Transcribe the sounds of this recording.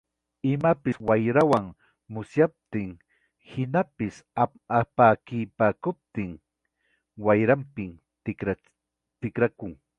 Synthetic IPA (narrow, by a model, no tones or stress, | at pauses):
ɪmapɪswajɾawaŋ | mʊsjap̚t̪ɪŋ | hɪnapɪs | apaːkɪjpaːkʊp̚t̪ɪŋ | wajɾampɪŋ | ɾa | t̪ɪkɾakʊŋ